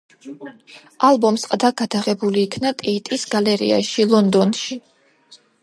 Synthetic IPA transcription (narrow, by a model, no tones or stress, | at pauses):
alˠbɔmsqʼd̪aɡad̪aʁɛbuliːkʰnat̪ʼɛit̪ʼisɡ̥alɛɾḭa̰ʃilˠɔnd̪ɔnʃi